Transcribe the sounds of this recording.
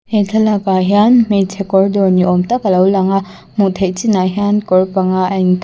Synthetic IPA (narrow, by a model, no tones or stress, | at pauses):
etʰɐlakaɦianmetʰekɔɾdɔniomtakɐlawlaŋa | mutʰek̚t͡ʃinaɦiankɔɾpaŋaajn